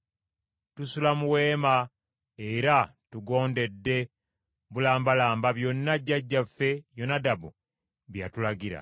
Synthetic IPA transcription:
tusulamuwe̞ːma | eɾatuɡo̞ːnde̞dːe̞ | βulaːmbalaːmbaβjo̞nːaɟːaɟːafːe̞jonadabu | βja̰tulaɡiɾa̰

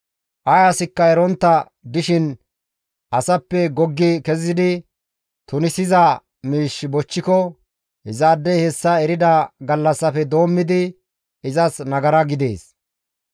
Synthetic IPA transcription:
ʔɐjɐsɪkːɐɛɾɔnt̪ːɐ | d̪ɪʃɪn | ʔɐsɐpːɛɡɔɡːɪkɛzɪd̪ɪ | t̪ʊnɪsɪzɐ | miːʃbɔt͡ʃːɪkɔ | hɪzaːd̪ːɛhɛsːɐɛɾɪd̪ɐɡɐlːɐsːɐfɛd̪o̞ːmːɪd̪ɪ | ɪzɐsnɐɡɐɾɐɡɪd̪e̞̰ːs

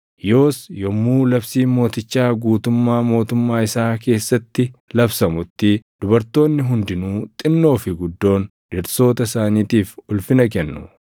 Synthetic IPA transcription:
jo̞ːsjɔmːuːlɐbsiːmo̞ːt̪ɪt͡ʃːaːɡuːt̪ʊmːaːmo̞ːt̪ʊmːaːɪsaːke̞ːsːɐt̪ːɪlɐbsɐmʊt̪ːɪd̪̥ʊbɐɾt̪o̞ːnːɪɦʊnd̪ɪnuːt̪ʼɪnːo̞ːfɪɡʊd̪ːo̞ːnᶑɪɾso̞ːt̪ɐsaːniːt̪iːfʊlfɪnɐk̬ɛnːʊ

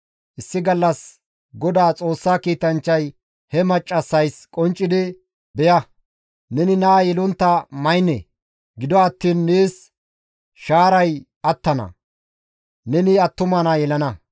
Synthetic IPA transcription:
ʔɪsːɪɡɐlːɐs | ɡɔd̪aːt͡sʼo̞ːsːaːkiːt̪ɐnt͡ʃːɐj | hɛmɐt͡ʃʼːɐsːɐjskʼɔnt͡ʃʼːɪd̪ɪ | bɛjɐ | nɛnɪnaːjɛlʊnt̪ːɐmɐjnḛ | ɡɪd̪ɔɐt̪ːiːnːeːs | ʃaːɾɐj | ɐt̪ːɐnɐ̰ | nɛnɪɐt̪ːʊmɐnɐjɛlɐnɐ

